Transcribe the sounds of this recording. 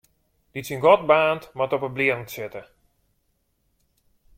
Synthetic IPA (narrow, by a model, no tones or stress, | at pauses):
d̥itsinɡɔt̚baːntmatɔpəbliəŋtsɪtə